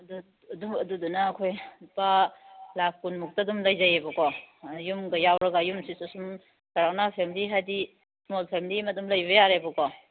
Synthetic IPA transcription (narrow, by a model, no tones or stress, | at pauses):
ɐdu | duɐdudunaːkʰojpalap̚ʰkunmuk̚tadumlɐjzajebɐkɔjumɡɐjawɾɐɡajumsisasum | saɾawnapʰemiliɦajdi | smolpʰemlimɐdumlɐjbɐjaɾebɐkɔ